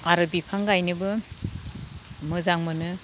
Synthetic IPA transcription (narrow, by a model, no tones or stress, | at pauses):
aɾɯbipʰaŋɡajnɯbɯ | mɯzaŋmɯnɯ